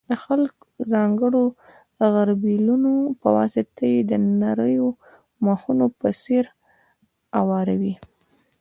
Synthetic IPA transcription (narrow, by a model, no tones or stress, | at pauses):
d̪əxalk | zɑŋɡəɽo | ɣaɾbilunopəwɑ̰sɪt̪ajed̪ənaɾəjo | maxunopəseɾ | awɑɾawi